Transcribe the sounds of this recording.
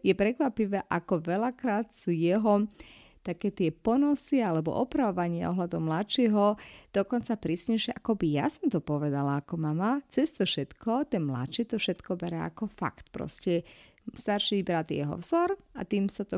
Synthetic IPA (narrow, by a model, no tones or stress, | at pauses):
jɛpɾɛkʋapiʋɛːʔakɔʋɛlakɾaːt̪suːjɛɦɔ | t̪akɛːt̪ɪɛpɔnɔsialɛbɔ̰ʔɔpɾaʋɔʋaɲɪa̰ɔ̰ɦlad̪ɔʊmlat͡ʃiɦɔd̪̥ɔkɔnt͡sapɾiːsɲɛɪʃɪɛʔakɔbija̰sɔmt̪ɔpɔʋɛd̪alaːkɔmamat͡sɛst̪ɔfʃɛt̪kɔt̪ɛnmla̰t͡ʃit̪ɔfʃɛt̪kɔbɛɾɛa̰kɔfa̰kt̪pɾɔ̰scɛ | st̪aɾʃiibɾat̪jɛ̰ɦɔ̰vz̥ɔɾa̰t̪iːmsat̪ɔ